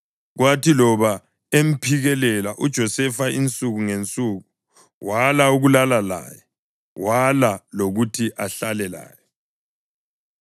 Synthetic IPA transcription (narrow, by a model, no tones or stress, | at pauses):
ɣwatilɔβa | em̩pʰiɣɛlɛlaʔud̥ʒ̥ʱɔsɛfaint͡sʼuɣuŋent͡sʼuɣu | walauɣulalala̰jɛ | walaloɣutʰiʔaɬalɛla̰ːjɔ